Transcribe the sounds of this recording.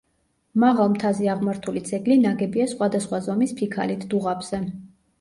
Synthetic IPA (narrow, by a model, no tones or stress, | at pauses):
maʁalˠmt̪ʰaziaʁmaɾt̪ʰulit̪sʰɛɡlinaɡɛbiasχwad̪asχwazɔmispʰikʰa̰lit̪ʰd̪uʁabz̥ɛ